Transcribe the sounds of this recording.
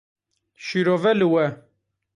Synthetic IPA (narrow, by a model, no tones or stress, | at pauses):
ʃiːɾoːvɛlɨwɛ